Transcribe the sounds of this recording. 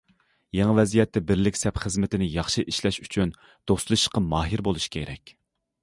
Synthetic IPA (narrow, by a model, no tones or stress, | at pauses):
jeŋvɛzijɛt̪ːɛbɪɾlɪkʲsɛpχəzmɪt̪ʰɪnɪjɑχʃɨʔiʃlɛʃyt͡ʃʰyn | d̪̥oslˠɨʃqɑmɑːɦiɾbolˠuʃkʲʰḛɾɛ̰kʲ